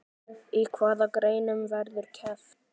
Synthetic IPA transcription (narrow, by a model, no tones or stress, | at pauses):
ikʰvaːðakɾeːjnʏmvɛɾðʏɾ̥cʰɛf